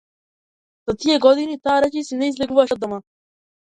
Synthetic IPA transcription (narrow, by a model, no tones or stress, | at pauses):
z̥at̪ijeɡod̪init̪aːɾat͡ʃisinɛizlʲeɡuʋaʃd̪oma